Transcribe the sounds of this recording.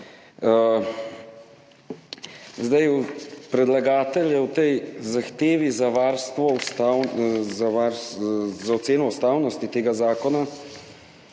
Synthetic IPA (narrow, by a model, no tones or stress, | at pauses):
zd̪ajupɾɛd̪laɡaːt̪ɛljɛwt̪ɛjzaxt̪eːʋizaʋaːɾst̪ʋɔst̪ːwzaʋaɾzaɔt̪seːnɔwst̪aːwnɔst̪it̪eːɡazaːkɔna